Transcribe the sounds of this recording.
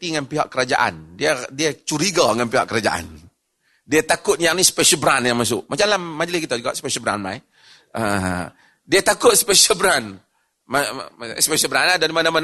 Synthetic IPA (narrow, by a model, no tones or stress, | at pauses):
t̪iŋanpiɦaʔkəɾad͡ʒa̰ʔa̰ndiadiat͡ʃuɾiɡaŋanpiɦa̰ʔkəɾad͡ʒa̰ʔa̰n | diat̪akʊt̪̚jaŋnispɛsəlbɾanjaŋmas̬ʊʔmʔat͡ʃamlamad͡ʒlɪskit̪ad͡ʒuɡa̰ʔspɛʃəlbəɾa̰nma̰j | ə | diat̪akʊt̪̚sə̥pɛsəlbɾan | maspɛsəlbəɾanadaɾimanaman